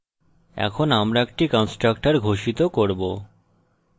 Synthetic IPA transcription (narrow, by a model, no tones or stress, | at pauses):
ɛ̰kʰonamɾaekʈikɔnsʈɾak̚ʈaɾɡʱoʃit̪okoɾbo